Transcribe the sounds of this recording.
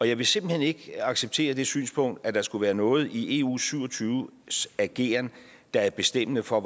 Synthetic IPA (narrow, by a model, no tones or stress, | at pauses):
ɒ̽jɑ̈ɪʋe̝se̝mb̥l̩hene̝ɡ̥ɑ̈ɡ̥seb̥̚t͡sʰe̝̰ːɐd̥e̝sy̰ːnspʰɔ̽ŋ̰d̥æd̥ɑ̈sɡ̥uʋæːɐnɔ̽ːð̞̩ˠiʔe̝ṵːsyʊ̰ɒ̽t͡sʰyːʊsæɡ̥e̝̰ːɐn | d̥ɑ̈æɐb̥e̝sd̥em̰nəfɒ̽